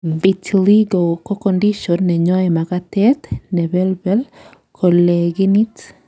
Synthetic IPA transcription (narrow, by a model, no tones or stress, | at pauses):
bitʰliɡokokondiʃɔnːɛɲɔɛmaɣatɛt̪nɛβɛlbɛl | kʰoleɡinit